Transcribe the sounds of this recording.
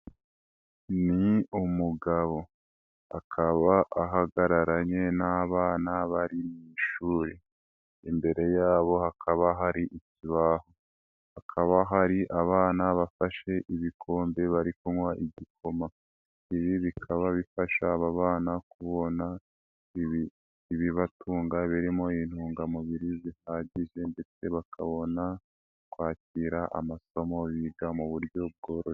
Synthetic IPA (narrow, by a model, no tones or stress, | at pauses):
niumuɡaβo̞ | akʰaβaʔaɦaɡaɾaɾaɲe̞naβaːnaβaɾimiːʃuːɾi | imbe̞ɾe̞jaːβo̞hakʰaβaɦaɾiʔiciβaho | hakʰaβaɦaɾiʔaβaːnaβafaʃe̞ʔiβikʰo̞ːmbe̞βaɾikuŋwaʔiɟikʰo̞ma | iβiβikʰaβaβifaʃaβaβaːnakuβo̞na | βiː | βiβatuːŋɡaβiɾimo̞in̥huːŋɡamuβiɾizihaːɟiʒe̞nde̞t͡se̞βakʰaβo̞na | kwaːciɾaʔa̰maso̞mo̞βiɡamuβuɾjo̞b̚ɡo̞ːɾoɾe